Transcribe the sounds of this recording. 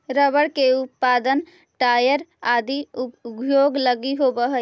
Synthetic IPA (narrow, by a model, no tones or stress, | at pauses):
ɾəbəɽkeup̚pad̪ən | ʈajəɾad̪iubjoɡləɡiɦobəɦə